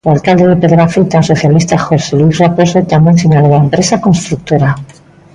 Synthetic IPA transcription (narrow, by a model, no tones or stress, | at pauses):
alkald̪eðe̞pe̞ðɾafit̪anso̞θjalist̪axo̞selwisraposot̪ambjensiɲaloðaempɾe̞sako̞nst̪ɾuk̚t̪oɾa